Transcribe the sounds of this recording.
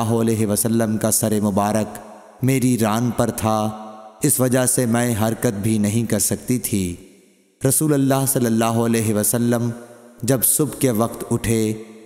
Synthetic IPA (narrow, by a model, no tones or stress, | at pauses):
ɦoɐlɛːɦeʋəsəlːəmkasɐɾemʊbaːɾək | meːɾiɾaːnpɐɾt̪ʰaɪsʋɐd͡ʒasemɛ̃ːɦɐɾkət̪̚bʱinɐɦĩkɐɾsɐkt̪it̪ʰiː | ɾɐsuːləlːaːɦsɐlːəlːaːɦoɐlɛːɦeʋəsəlːəmd͡ʒɐbsʊbʱkeʋɐqt̪ʊʈʰe